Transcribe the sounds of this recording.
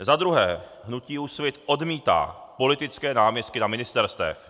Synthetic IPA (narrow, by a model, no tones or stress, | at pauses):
zad̪ɾuɦɛː | ɦnuciːusvjɛt̪ʔo̞dmiːt̪a̰ːpo̞lɪt̪ɪt͡skɛːnaːmɲɛst̪̚kɪnamɪnɪst̪ɛɾst̪ɛ̰f